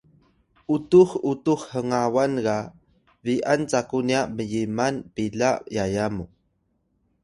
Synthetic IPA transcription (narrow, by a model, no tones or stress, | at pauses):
ʔutuxutuxhəŋawanɡa | viʔant͡sakuniaʔməjimanpiɮajajamu